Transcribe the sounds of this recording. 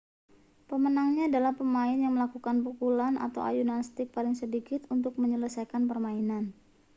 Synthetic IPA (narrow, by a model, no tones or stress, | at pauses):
pəmənaŋɲaːdalahpəmaɪnjaŋməlakukanpukulana̰t̪a̰wa̰junast̪ɪk̚palɪŋsədikɪt̪unt̪ʊk̚məɲələsajkanpərmainan